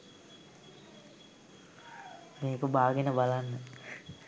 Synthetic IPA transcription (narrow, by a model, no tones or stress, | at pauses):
meːkəbaːɡenəbalanːə